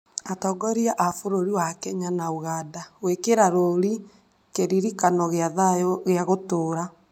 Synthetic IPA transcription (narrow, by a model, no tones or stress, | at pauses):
atɔɡɔɾiaʔafoɾoɾiwakɛɲanaoɣaːdawekeɾaɾoɾi | keɾiɾikanɔɣeaðajɔɣeaɣotoːɾa